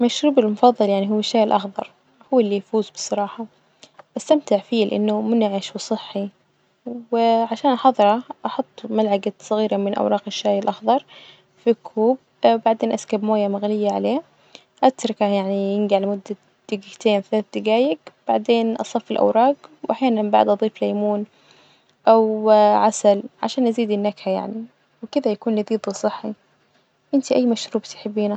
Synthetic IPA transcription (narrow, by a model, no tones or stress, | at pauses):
maʃɾuːbɪlmʊfɑðˤːɑljaʕniɦʊwːɪʃːaːjɪlʔɑxðˤɑɾˤ | hʊwːɪlːijfuːzbɨ̥sˤːɑɾˤɑːħɑ | ʔast̪amt̪ɪʕfiːlʔɪ̰nːʊmʊnʕɪʃwsˤɨħːi | wɪʕaʃaːnʔɑħɑðˤɨɾˤɑʔɑħʊt̪ˤːmalʕaɡasˤɨɣiːɾamɪnʔa̰wɾˤɑːqɪʃːaːjɪlʔɑxðˤɑɾˤ | fikʰːuːb̚ | baʕd̪eːnʔaskabmoːjamaɣlɪjːaʕa̰leː | ʔat̪ɾˤɑkajaʕnijɪnɡiʕalamʊd̪ːa | d̪̥ɪɡɪt̪eːnθalaːθd̪ɪɡaːjɪɡb̥aʕd̪eːnʔɑ̰sˤɑfːɪlʔa̰wɾˤɑːqwʔaħjaːnanbaʕ̰d̪ʔɑðˤiːflajmuːn | ʔawʕasalʕa̰ʃaːnʔaziːd̪ɪnːakhaja̰ʕni | wɪkɪd̪ajakuːnlɪðiːd̪ˤsˤɨħːi | ʔɪnt̪iʔajːmaʃɾuːbt̪jħɪbːiːna